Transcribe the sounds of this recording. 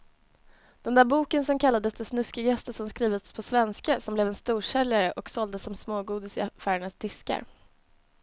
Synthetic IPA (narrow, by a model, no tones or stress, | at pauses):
d̪̥ɛnd̪æːɾbuːkənsɔmkʰalːad̪əsd̪ɛsnɵskaɡjɛst̪əʂɔmskɾiːvət̪spʰɔsvɛnskasɔmblɛvɛnst̪uːʂɛljaɾəʔɔksɔld̪əsːɔmsmoːɡuːd̪ɪsɪafæːɾɛɳasd̪ɪska̰ɾ